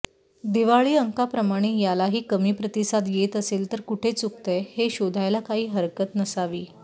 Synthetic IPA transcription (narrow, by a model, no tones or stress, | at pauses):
d̪iʋaɭiːəŋkapɾəmaɽ̃ejalaɦiːkəmiːpɾət̪isad̪jet̪əseːlt̪əɾkuʈʰet͡sukt̪eheɕod̪ʱajlakaɦiːɦəɾkət̪nəsaʋiː